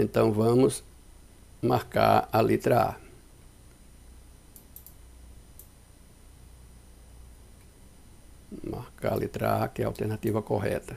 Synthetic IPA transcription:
ẽnt̪ɐ̃w̃vɐ̃mʊs | maɾka̰ɾɐlit̪ɾɐa̰ | ma̰ɾka̰ɾɐ̰lʔit̪ɾɐ̰akɪɛa̰wt̪eɾnat̪ivɐkoɦɛ̰t̪ɐ

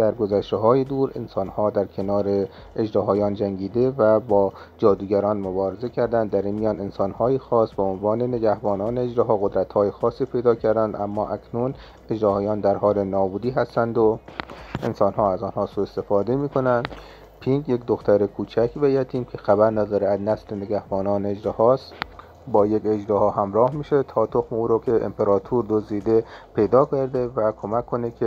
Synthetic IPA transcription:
d̪̥æɾɡo̞zæʃt̪eɦɒːjed̪uːɾe̞̰nsɒːnhɒːd̪æɾkʲʰe̞nɒːɾeː | d͡ʒɾɒɦɒːjɒːnd͡ʒæŋɟiːd̪evæbɒː | d͡ʒɒːd̪uːɡæɾɒːnmobɒːɾezecʰæɾd̪ænd̪ːæɾiːnmijɒːne̞nsɒːnhɒːjexɒːsbeonvɒːne̞ne̞ɡæhbɒːnɒːneːd͡ʒɾeɦɒːɣod̪ɾæt̪hɒːjexɒːsːiːpʰe̞jd̪ɒːcʰæɾd̪ænd̪ʔæmːɒːʔækʰnun | ed͡ʒɾɒːhɒːjɒːnd̪æɾhɒːle̞nɒːbuːd̪iːɦæst̪ænd̪oʔḛnsɒːnhɒːæzɒːnhɒːsuːest̪e̞fɒːd̪emiːkʰo̞nænd̪̥ | pʰiŋɡjekd̪oxt̪æɾekʰuːt͡ʃʰækʰvæjæt̪ʰiːnkʰexæbæɾnæd̪ɒːɾeæznæsleneɡæhbɒːnɒːneːd͡ʒɾehɒːst̪ | bɒːjeked͡ʒɾɒːhɒːɦæmɾɒːhmiːʃet̪ʰɒːt̪ʰoxmeuːɾokʰeʔḛmpeɾɒːt̪ʰuːɾd̪ozd̪iːd̪epʰe̞jd̪ɒːkʰæɾd̪evækʰomækʰːo̞nekʰʲe

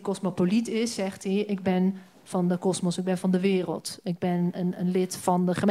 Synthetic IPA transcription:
kɔsmopolitɪsːɛχtɛʔɪɡ̚bɪn | v̥ɑndəkɔsmɔsɪɡ̚bɛnvɑndəʋɪːrə̰lˠtɪɡ̚bɛnənənlɪtfɑndəχəm

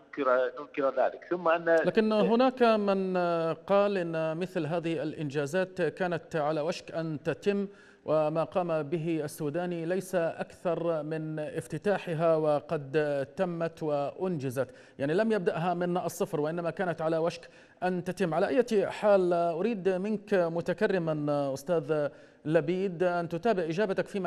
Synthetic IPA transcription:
kɾnʊmkɪɾaða̰ːlɪkθʊmːaʔanːalaːkɪnɦʊnaːkmɪnqɑːlʔɪnːmɪθlɦaːðɪhialʔɪnd͡ʒaːzaːt̪kaːnat̪ʕalawaʃkʔant̪at̪ɪmː | wʔɪmaːqɑːmabɪɦɪasːuːd̪aːnilajsaʔakθɑɾˤmɪnʔɪft̪ɪt̪aːħɪɦawɪqɑd̪t̪amːat̪wɪʔʊnd͡ʒɪzat̪ | jaʕnilamjab̚d̪aʔɦamɪnʔɑsˤːɨfɾwɪʔɪnːamakaːnat̪ʕalawaʃk | ʔant̪at̪ɪmːʕalaʔajːaħaːlʔʊɾiːd̪mɪnkmʊt̪akarːɪmaʔʊst̪aːð | labiːd̪ʔant̪ʊt̪aːbɪʕʔɪd͡ʒaːbat̪akfiːm

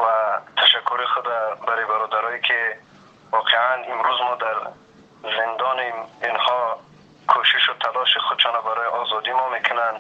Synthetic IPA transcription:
vat̪ʰaʃakʰːuɾiχud̪abaɾɔbaɾɔd̪aɾɔikʰi | vɔqʰeʕanimɾuzmɔd̪aɾ | zind̪ɔniminhɔ | kʰoʃiʃut̪ʰalɔʃiχud̪t͡ʃʰɔnɔbaɾɔjʔɔzɔd̪imɔmekʰʊnand̪

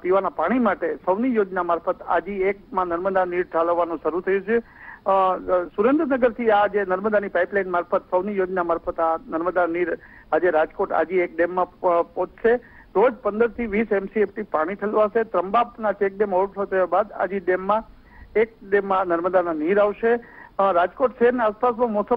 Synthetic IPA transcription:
piʋanapaɽ̃imaʈesəʋnijod͡ʒnamaɾfət̪a̰d͡ʒiek̚mãnəɾməd̪aniɾt͡ʃaləʋːanõʃəɾut̪ʰəjũt͡ʃʰe | suɾend̪ɾənəɡəɾt̪ʰiad͡ʒenəɾməd̪anipaijplainmaɾfət̪səʋnijod͡ʒnamaɾfʰət̪anəɾməd̪aniɾad͡ʒeɾad͡ʒkoʈa̰d͡ʒiek̚ɖemːãpɔ̃t͡ʃʃe | ɾod͡ʒpənd̪əɾt̪ʰiʋisɛmsiefʈipaɽ̃it̪ʰəlʋaset̪ɾəmbabnat͡ʃek̚ɖemɦɔʋəʈ̪ʰot̪ʰəjabad̪a̰d͡ʒiɖemːã | ek̚ɖemːãnəɾməd̪ananiɾaʋʃeɾad͡ʒkoʈʃəɦəɾnaaspasmãmɔsə

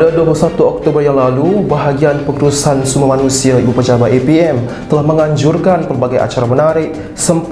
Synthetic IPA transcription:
daduapulusat̪uɔk̚t̪obərjaŋlalubaɦaɡianpəkɾusansumamanusiaibupəd͡ʒabaepiɛm | t̪əlahməŋaɲd͡ʒurkanpərbaɡaja̰t͡ʃaɾamənaɾɪk̚ | səmp

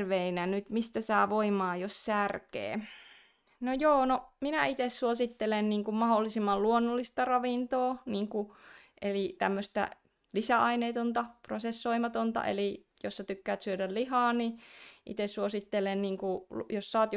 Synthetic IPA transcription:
rʋeinænyt̪mist̪æsɑːʋoimɑːjossærkḛː | nojoːnominæit̪essuosit̪ːelenniːŋkummɑholːisimːɑlluonːolːist̪ɑrɑʋint̪oːniːŋkuʔelit̪æmːøst̪æ̰ | lisæʔɑineːt̪ont̪ɑprosesːoimɑt̪ont̪ɑ̰ʔḛli | josːɑt̪ykːæːt̪syødællihɑːniʔḭt̪essuosit̪ːelenniːŋkujossɑːt̪j

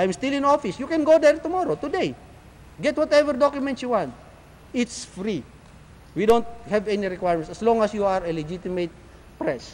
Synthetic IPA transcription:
ʔajmst̪ilɪ̃nofɪsjukɛ̃nɡod̪ɛɹt̪ʊmɔɾot̪ud̪ej | ɡɛt̪̚wɔt̪ɛvɛɹd̪ɔkjʊmɛ̃ntsjuwãnt̪̚ | ɪt̪sfɾi | wid̪õnt̪̚hɛvɛniɹɪkwajɹmɛ̃nt̪ɐslɔ̃ŋɐsjuaɹɛlɛd͡ʒit̪ɪmet̪̚ | pɹɛs

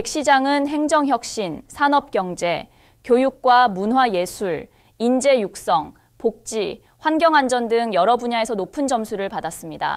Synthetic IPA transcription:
ek̚ɕ͈id͡ʑaŋɯnɦe̞ŋd͡ʑʌŋçjʌk̚ɕ͈insʰanʌp̚k͈jʌŋd͡ʑe̞ | kjojuk̚k͈wamunɦwaje̞sʰuɭ | ind͡ʑe̞juk̚s͈ʌŋ | pok̚t͡ɕ͈i | ɸwanɡjʌŋand͡ʑʌndɯŋjʌɾʌbuɲae̞sʰʌnopʰɯnd͡ʑʌmsʰuɾɯɭpadas͈ɯmɲida̰

